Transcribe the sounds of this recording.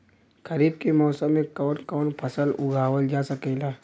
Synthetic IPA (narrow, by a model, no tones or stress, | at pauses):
kɐɾiːb̚kemɔːsəmːẽkɔːnkɔːnpʰɐsəlʊ̰ɡʱaːʋəld͡ʒaːsɐkeːlaː